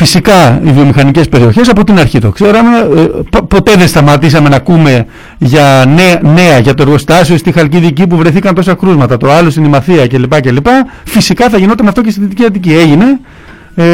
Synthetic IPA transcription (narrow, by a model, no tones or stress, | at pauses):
fisikɐivio̞mixɐnice̞spe̞ɾio̞çe̞s̬ɐpo̞t̪inɐɾçit̪o̞kse̞ɾome̞ppo̞t̪e̞ðenst̪ɐmɐt̪isɐme̞nɐkume̞ | ʝɐnene̞ɐʝɐt̪o̞e̞ɾɣo̞st̪ɐsio̞st̪ixɐlciðicipuvɾe̞θikɐnt̪o̞sɐkɾuzmɐt̪ɐt̪oɐlo̞sinimɐθiɐce̞lipɐcelipɐfisikɐθɐʝino̞t̪emeɐft̪o̞cest̪iðit̪iciɐt̪icie̞ʝine̞